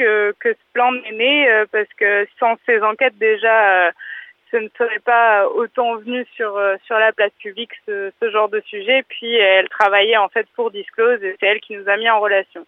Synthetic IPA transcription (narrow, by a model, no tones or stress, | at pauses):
kəkəsə̥plɑ̃neneøpaʁsə̥kəsɑ̃sezɑ̃kʲɛt̪̚d̪eʒaøsənəsəʁɛpaøot̪ɑ̃vənysyʁøsyʁlaplaspybliksəsəʒɑ̃ʁd̪əsyʒɛpɥiɛlt̪χavajɛɑ̃fɛt̪̚puʁd̪isklozesɛɛlkʲinuzamiɑ̃ʁəlasjɔ̃